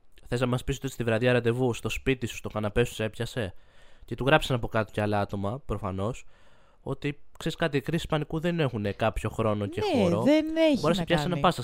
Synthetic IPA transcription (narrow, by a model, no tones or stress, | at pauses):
θe̞snɐmɐspisot̪otist̪ivɾɐðjɐɾɐnd̪e̞vust̪o̞spit̪isu̥st̪o̞kɐnɐpe̞su̥se̞pçɐse̞ce̞t̪uɣɾɐpsɐnɐpo̞kɐt̪o̥ceɐlɐt̪o̞mɐpɾofɐno̞s | o̞t̪ikseɾiskɐt̪̬ikɾisi̥spɐnikuðene̞xune̞kɐpço̞xɾo̞no̞ceɾoeneboɾesepçɐssenɐpɐsɐs